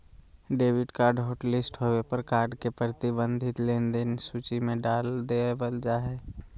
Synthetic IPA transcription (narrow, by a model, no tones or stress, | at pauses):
ɖeːwɪʈkaːɾɖɦoːʈlɪsʈɦowepəɾkaːɾɖkepɾət̪ibə̃nd̪ʱɪt̪leːnd̪ensuːt͡ʃimẽɖaːld̪ebəld͡ʒaːɦeː